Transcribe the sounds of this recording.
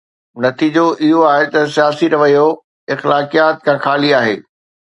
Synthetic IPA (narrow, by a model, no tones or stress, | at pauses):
nɐt̪iːd͡ʑoʔɪɦoaːɦet̪ɐsijaːsiɾɐʋɐjo | ɪxlaːkijaːt̪̚kʰãːxaːliaːɦḛː